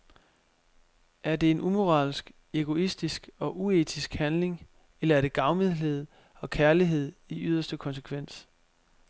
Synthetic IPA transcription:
ʔæɐd̥e̝ːnʔumo̝ʁɑ̰̈ːlsɡ̥ | eɡ̥o̝isd̥isɡ̥ɒ̽ʔue̝ːt͡sʰisɡ̥hænle̝ŋ | elɐæɐɾ̥e̝ɡ̥ɑ̈ʊmiðˠle̝ð̞̰ˠ | ɒ̽kʰæɐliɦe̝ð̞̰ˠiyð̞̰ˠɐsd̥əkʰɒ̽nsekʰʋen̰s

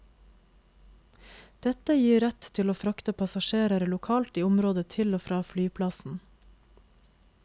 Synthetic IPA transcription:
d̪̥ɛt̪əjiːɾɛt̪t̪ʰɪloːfɾɑkt̪əpʰɑsɑʃeːɾəɾəlʊkʰɑːlt̪iːʊmɾoːd̪ət̪ʰɪloːfɾɑːflyːpʰlɑsn̩

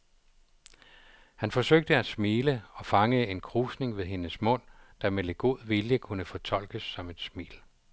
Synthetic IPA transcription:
hænfɒ̽søɡ̥̚d̥əæsmiːləɒ̽fɑ̈ŋəe̝nkʰʁuːsne̝ŋʋe̝ðˠɦe̝nəsmɔ̽n̰d̥ɑ̈meleɡ̥o̝ð̰ˠʋiljəkʰunəfɒ̽t͡sʰɒ̽l̰ɡ̥əsːɒ̽me̝d̥smḭːl

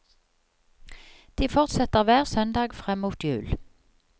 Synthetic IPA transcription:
d̪̥iːfɔʁt̪sɛt̪əʁʋæːʁsœnd̪ɑːɡfʁɛmːuːt̪jʉ̰ːl

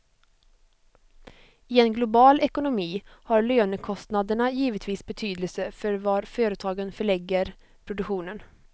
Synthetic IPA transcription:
ɪɛnɡlʊbɑːlɛkʊnʊmiːhɑɾɭøːnəkʰɔst̪nad̪əɳajiːvət̪ʰviːsbɛt̪ʰyːd̪əlsəfœɾvɑɾføːɾət̪ʰɑːɡənfœɭɛɡːəɾ | pʰɾʊd̪ɵkɧuːnən

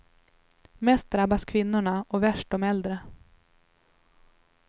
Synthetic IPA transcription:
mɛst̪̚d̪ɾabːaskʰvɪnːʊɳaʔɔvæʂʈɔmɛld̪ɾə

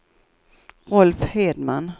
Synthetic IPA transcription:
ʁɔlfheːd̪man

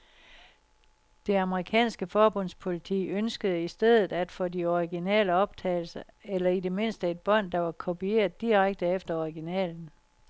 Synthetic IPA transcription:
d̥e̝ɑ̈məʁikʰɛ̰ːnsɡ̥əfɒːb̥ɔ̽n̰spʰo̝lit͡sʰḭːønsɡ̥əð̞ˠəisd̥eð̞̰ˠð̩ˠæd̥fɒ̽diɒʁiɡ̥inɛ̰ːləɒ̽b̥̚t͡sʰɛ̰ːɪl̩səelɐide̝me̝n̰sd̥əe̝d̥̚b̥ɒ̽n̰d̥ɑ̈ʋɑ̈kʰo̝pie̝̰ːɐðˠd̥iʁaɡ̥̚d̥əefd̥ɐɒʁiɡ̥inɛ̰ːln̩

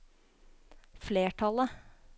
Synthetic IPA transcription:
fleːʈʰɑlə

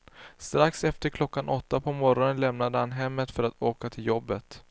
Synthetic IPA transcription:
st̪ɾaksɛft̪əɾkʰlɔkːanʔɔt̪ːapʰɔmɔɾɔnənlɛmnad̪əhanɦɛmːət̪fœɾat̪ʰoːkat̪ʰɪljɔbːət̪

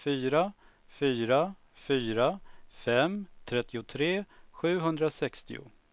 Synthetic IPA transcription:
fyːɾa | fyːɾa | fyːɾafɛmt̪ʰɾɛt̪ːɪʊt̪ʰɾeːɧʉ̟ːɦɵnd̪ɾasɛkst̪ɪ̰ʊ̰

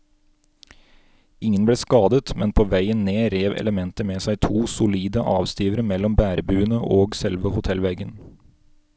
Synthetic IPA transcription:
ɪŋənbleːskɑːd̪ət̪mɛnpʰoːʋæɪənneːɾeːʋɛ̰ləmɛnt̪əmeːsæɪt̪ʰuːsʊliːd̪əʔɑːʋst̪iːʋəɾəmɛlɔmbæːɾbʉːənəʔoːɡsɛlʋəhʊt̪ʰɛlʋɛɡən

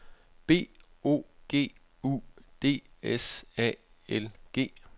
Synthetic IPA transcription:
b̥e̝̰ːo̝̰ːɡ̥e̝̰ː | ṵd̥e̝̰ːesɛ̰ | elɡ̥e̝̰ː

